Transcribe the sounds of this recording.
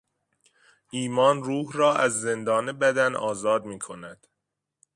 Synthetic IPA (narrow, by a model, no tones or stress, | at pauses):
ʔiːmɒːnruːhrɒːʔæzːe̞nd̪ɒːnebæd̪ænʔɒ̰ːzɒːd̪̚miːkʰo̞næd̪̥